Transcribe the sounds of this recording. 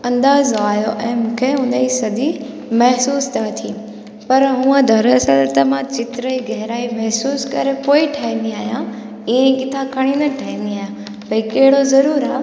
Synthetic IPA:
ɐ̃nd̪aːzaːjoʔɛ̃ːmũːkʰeɦʊ̃nd̪əisɐd̪i | mɐɦsuːst̪ʰat̪ʰiː | pɐɾɦũːə̃d̪ʱɐɾɐsəlt̪ɐmãt͡ɕɪt̪ɾəiɡɐɦɾaːimɛɦsuːskɐɾepoːiʈʰaːɦĩn̆d̪iaːɦjã | iẽkɪt̪ʰãkʰɐɽ̃ĩnd̪əʈʰaːɦĩːn̆d̪iaːɦjã | bɐikɐɦɪɽozɐɾuːɾaː

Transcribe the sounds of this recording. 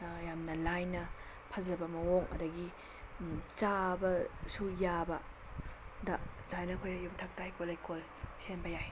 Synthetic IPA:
jamnɐlajnɐ | pʰɐzɐbɐmɐwoŋʔɐ̰dɐɡi | t͡ʃabɐsujabɐ | dɐzajnɐkʰojnɐjumtʰɐk̚tajkolajkol | senbɐjaj

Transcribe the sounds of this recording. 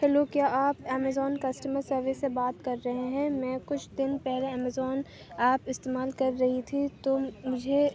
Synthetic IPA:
kɛːloːkjaːʔaːpɛːmɛzɔːnkɐsʈəməɾsɐɾʋɪsːebaːt̪kɐɾːɐɦeɦɛ̃mɛ̃ːkʊt͡ʃʰd̪ɪnpɛɦleɛːmɛzɔːn | aːpɪst̪eːmaːlkɐɾːɐɦit̪ʰit̪oːmʊd͡ʒʱe

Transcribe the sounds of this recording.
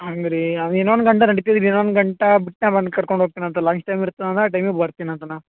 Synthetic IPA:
ɦaŋɡɾiɐnenʋond̪ɡɐɳʈ̬ɐnɐɽit̪id̪iɾenʋond̪ɡɐɳʈɐbiʈ̚nɐbɐnd̪kɐɽkoɳɖʱɦoːɡ̚t̪inɐnt̪ɐlaːsʈʈɐjmiɾut̪ːɐd̪ɐnt̪ɐaːʈ̬ɐjmebɐɾt̪inɐnt̪ɐnaːm

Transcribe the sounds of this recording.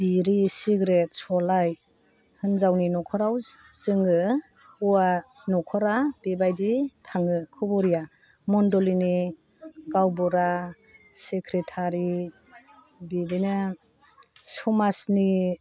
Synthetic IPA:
b̥iɾisiɡɾet̚sɔlaj | hɯnzawninɔkʰɔɾaw | zɯŋɯ | ua | nɔkʰɔɾabibajditʰaŋɯkʰɯbɔɾija | mɔndɔlini | ɡawbɔɾa | sekʰɾetʰaɾi | bidina | sɔmasni

